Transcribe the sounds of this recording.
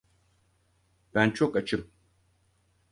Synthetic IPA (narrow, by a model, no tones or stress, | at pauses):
b̥ænt͡ʃʰokat͡ʃʰɯm